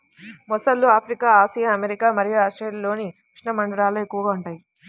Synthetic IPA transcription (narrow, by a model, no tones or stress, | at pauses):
mɔsɐlːuaːpʰɾikaːaːsijaɐmeɾikaːmɐɾijaaːsʈeːllo̞ːnikɾʂɳɐmɐɳɖɐɾaːlɐekːuʋɡaːuɳʈaːji